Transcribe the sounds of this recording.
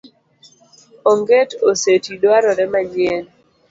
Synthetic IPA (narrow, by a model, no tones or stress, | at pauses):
oŋɡetosetidwaɾɔɾɛmaɲɪɛn